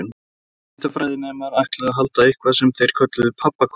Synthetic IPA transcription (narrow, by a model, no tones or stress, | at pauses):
ʏn | t̪afɾaːjðɪnɛmaɾahklaɣaɦalt̪aihkʰvasɛmθejɾ̥kʰœt̪lʏðʏpʰapːakʰ